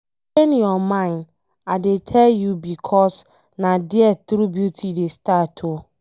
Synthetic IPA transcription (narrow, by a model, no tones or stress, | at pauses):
t͡ʃenjɔmãɪ̃nd | adetʰɛljubikʰɔs | nadiɛtɾubjutʰidestatʰo